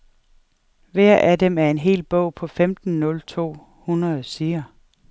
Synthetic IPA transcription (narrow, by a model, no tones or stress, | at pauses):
ʋæɐ̰ʔæd̥emæɐe̝nɦe̝̰ːlb̥ɔ̰̽ʊ̰pʰɒ̽femd̥n̩nɔ̽lt͡sʰo̝̰ː | hunʁɐð̩ˠsiːɐ